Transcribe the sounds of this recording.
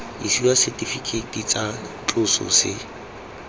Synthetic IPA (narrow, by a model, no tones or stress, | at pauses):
isiwasɛtʼifikʰʼetʼit͡sʼat͡ɬʼʊsɔ̰sɪ